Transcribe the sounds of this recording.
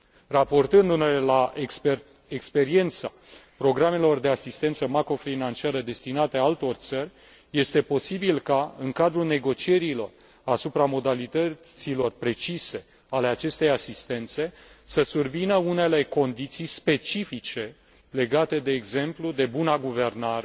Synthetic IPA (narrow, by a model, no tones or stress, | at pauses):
rapo̞rt̪ɨnd̪unelela | ekspe̞ɾie̞nt̪sapɾo̞ɡɾame̞lo̞rd̪e̞asist̪e̞nt̪səmakɾo̞fɾinant͡ʃiaɾəd̪e̞st̪inat̪e̞aalt̪o̞rt̪sərʲ | je̞st̪e̞po̞sibilkaɨŋkad̪ɾulne̞ɡo̞t͡ʃie̞ɾilo̞̰r | asupɾamo̞d̪alit̪ət̪silo̞rpɾe̞t͡ʃise̞ | ale̞at͡ʃe̞st̪e̞jasist̪e̞nt̪se̞səsurvinəune̞le̞ko̞nd̪it̪sijspe̞t͡ʃifit͡ʃe̞ | le̞ɡat̪e̞d̪e̞ːɡze̞mplud̪e̞bunaɡuve̞rnaɾe